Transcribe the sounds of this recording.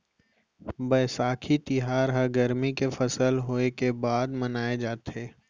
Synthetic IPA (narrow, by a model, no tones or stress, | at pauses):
bəsaːkʰit̪ɪɦaːɾɦɐɾɡəɾmikefʰɐsəlɦoːekebaːd̪mənaːed͡ʒaːt̪ɦeː